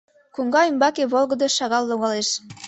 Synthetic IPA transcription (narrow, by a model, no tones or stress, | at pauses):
kuŋɡɑymbɑkeβolˠɣə̆d̪ɤʃɑɣɑlːuɣɑleʃ